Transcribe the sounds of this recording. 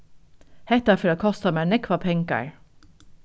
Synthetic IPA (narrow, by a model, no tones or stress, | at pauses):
hɛt̪æfœɾɑkʰɔst̪ɑmæːnɛkʰʋɑpʰɛŋkɑ̰ɹ